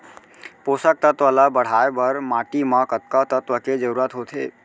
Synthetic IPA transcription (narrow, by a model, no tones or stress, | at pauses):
poːsək̚t̪ət̪ʋaːlabəɽ̤aːebəɾmaːʈimãkət̪̚kat̪ət̪ʋəked͡ʒəɾuːɾət̪ɦot̪ʰɦḛː